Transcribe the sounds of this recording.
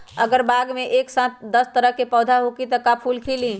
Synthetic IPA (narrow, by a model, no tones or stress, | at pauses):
əɡəɾbaːɡmeʔeksãt̪̚d̪əst̪əɾəɦkepɔːd̪ʱaɦokit̪əkapʰuːlkʰeli